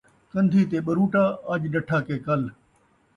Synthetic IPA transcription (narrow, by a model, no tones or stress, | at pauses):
kɐ̃nd̪ʱiːt̪eːɓɐɾũːʈaːaːʄɗɐʈʰaːkeːkɐl